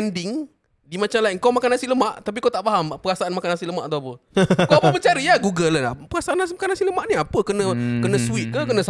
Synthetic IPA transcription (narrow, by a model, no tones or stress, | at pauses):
ɛndɪŋ | dimãt͡ʃamlaiŋkawmakanhasiləmaʔt̪ap̬ikawt̪aʔfaɦampəɾasaʔanmakanhasiləmaʔt̪uapəkaapəbət͡ʃaɾiaɡuɡələla̰pəɾasaʔanas̬imakanhasiləmaʔniapəkənə̃kənə̃swit̪̚kəkənə̃s